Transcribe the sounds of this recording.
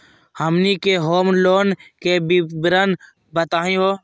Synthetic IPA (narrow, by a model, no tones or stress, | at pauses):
həmniːkeːɦoːmloːnkeːbibɾən | bət̪aːɦĩːɦoː